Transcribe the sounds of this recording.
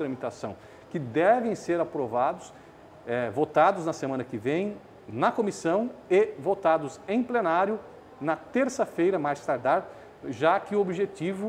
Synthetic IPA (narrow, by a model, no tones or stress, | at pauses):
t̪ɾɐmit̪asɐ̃w̃ | kɪd̪ɛvẽj̃seɾapɾovad̪ʊs | ɛvot̪ad̪ʊznɐsemɐ̃nɐkɪvẽj̃ | nɐkomisɐ̃w̃evot̪ad̪ʊsẽj̃plenaɾjʊ | nɐt̪eɾsɐfejɾɐmajzst̪aɾt̪aɾp | ʒakɪʊobiʒet̪ivʊ